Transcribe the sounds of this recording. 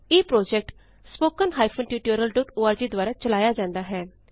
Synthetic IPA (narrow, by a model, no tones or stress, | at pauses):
eːpɾoːd͡ʒɛk̚ʈ | spoːkənɦaːipʰənʈjuːʈəɾəlɖoːʈoːaːɾd͡ʒiːd̪ʊwaːɾaːt͡ʃəlaːjaːd͡ʒãːnd̪aːɦɛː